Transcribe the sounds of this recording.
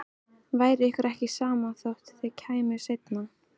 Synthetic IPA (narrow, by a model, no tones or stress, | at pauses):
vaːjɾɪɪhkʏɾʔɛhcɪsaːmaθowht̪θɪðcʰaːjmʏsejt̪na